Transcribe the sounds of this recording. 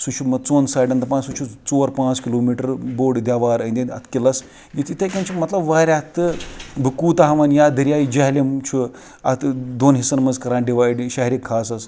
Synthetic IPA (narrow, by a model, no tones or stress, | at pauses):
sut͡ʃʰumɐt͡soːnsaːɖɐnd̪ɐpãːsut͡ʃʰut͡soːɾpãːt͡skiloːmiːʈɐɾboːɖd̪ʲjaːʋaːɾɐnd̪ʲenɐ̰t̪ʰkʲilɐs | jit̪it̪ʰɐkʲɐnt͡ʃʰimɐt̪lɐbʋɐɾʲat̪ɨbʱɨkuːt̪aɦɐʋɐnjaːd̪ɐɾijaːjid͡ʒɐɦlemt͡ʃʰu | ɐt̪d̪oːnɦisɐnmɐzkɐɾãːɳɖiʋaːjɖʃɐɦɾʲikʰːaːsɐs